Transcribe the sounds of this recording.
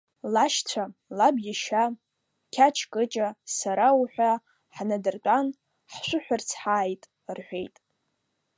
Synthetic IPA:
laʃt͡sʷʰalabjʲiʃa | kʲʰat͡ʃʰkʼɨt͡ʃʼasaɾawħʷᶣa | ħnadɨrt͡pʷʼan | ħʃʷʊħʷᶣart͡sʰħaːjtʼ | rħʷᶣejtʼ

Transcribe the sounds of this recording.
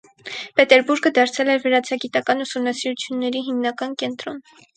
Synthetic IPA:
pɛt̪ɛɾbuɾɡəd̪ɑɾt͡sʰɛlɛɾvəɾɑt͡sʰɑɡit̪ɑkɑnusumnɑsiɾut͡sʰjunːɛɾiɦimnɑkɑnkɛnt̪ɾɔn

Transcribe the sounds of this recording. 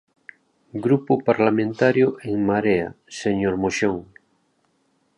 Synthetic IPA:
ɡɾupopaɾlamẽnt̪aɾjoʔeŋmaɾea̰ | seɲoɾmoʃoŋ

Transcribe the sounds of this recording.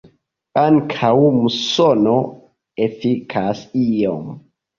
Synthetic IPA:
aŋkʰawmusono | efikʰasijom

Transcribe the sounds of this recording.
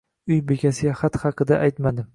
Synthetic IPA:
ʊjbe̞kʲʰasɪɡʲaχat̪χɑqʰɨd̪aʔajt̪mad̪ɪ

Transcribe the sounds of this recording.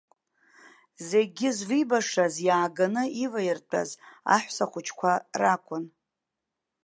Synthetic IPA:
ze̞ɡʲɪzvɨbaʂazjaːɡanɨivajɪrt͡pʼa̰za̰ħʷsaχʷʊt͡ʃʰkʷʰarakʷʼʊn

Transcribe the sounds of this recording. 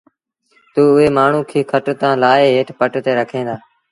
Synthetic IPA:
t̪uːʊɦeːmaːɳ̤ũːkʰiːkʰəʈt̪ãːlaːeːɦeːʈʰpəʈt̪eːɾəkʰẽːnd̪aː

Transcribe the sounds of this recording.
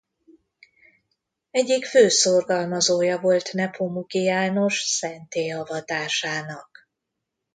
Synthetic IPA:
ɛɟːikføːsorɡɒlmɒzoːjɒvo̞lt̪nɛpʰomukijaːno̞ʃsɛnt̪eːɒvɒt̪aːʃaːnɒk

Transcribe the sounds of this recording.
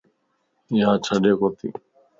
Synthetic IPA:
ɪɦãːt͡ʃʰəɗeːkoːt̪ḭː

